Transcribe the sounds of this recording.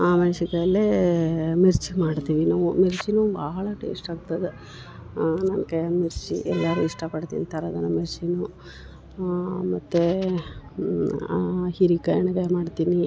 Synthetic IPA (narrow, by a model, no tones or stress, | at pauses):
aːmɐnsiɡɐɐlːe | miɾt͡ʃimaːɖt̪iːʋinaːʋumiɾt͡ʃinuːbɐɦɐɭɐʈḛːsʈaːɡ̚t̪ɐd̪e | nɐnkɐjɐmiɾt͡ʃḭʔɛlːaɾuiʂʈɐpɐɽt̪ḭnt̪ʰɐɾɐd̪ɐnːumiɾt͡ʃinu | mɐt̪ːe | hiɾikɐjɐɳɐɡɐmaːɖt̪iːni